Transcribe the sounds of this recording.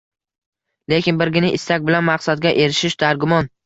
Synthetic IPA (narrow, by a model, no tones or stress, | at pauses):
le̞kʲɪnbɪɾɡʲɪnɪʔɪst̪ak̚ʲbɪlanmaqsad̪̚ɡʲaʔe̞ɾɪʃɪʃd̪aɾɡʊmɒn